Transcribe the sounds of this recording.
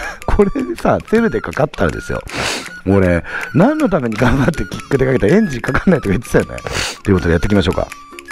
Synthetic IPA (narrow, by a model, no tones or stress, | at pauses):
kʰo̞ɾeisaːt͡se̞ɾɯ̟d̪e̞kakat̪ːaɾa̰d̪esɨjo̰oɾenãnːo̞t̪ame̞ɲ̟iɡãmbat̪ːekʲi̥kːɯ̟d̪e̞kaket̪aẽ̞ɲ̟d͡ʑikakḁnːait̪okait͡sɨ̥sajo̰nḛt̪eɨ̟kot̪odejat̪ːekʲimaɕ̬o̞ːka̰